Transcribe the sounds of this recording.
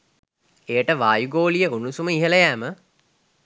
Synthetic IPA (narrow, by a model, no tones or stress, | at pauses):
ejəʈəʋaːjuɡoːlijəunusuməiɦələjæːmə